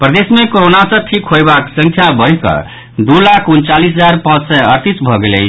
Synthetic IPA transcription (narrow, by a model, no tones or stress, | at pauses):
pɾəd̪esmekoɾonasʌ̃ʈʰikʰɦojbaksə̃ŋkʰjabəɾikʌ̰ | d̪ulakʰunt͡ʃalisɦəd͡ʒaɾpãt͡ʃsəəɾt̪isbʱʌɡelḛt͡ʃʰ